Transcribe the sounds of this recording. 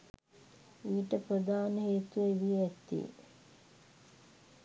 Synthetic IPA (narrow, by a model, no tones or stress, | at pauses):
iːʈəprəd̪aːnəɦeːt̪ueʋieɛt̪ːḭ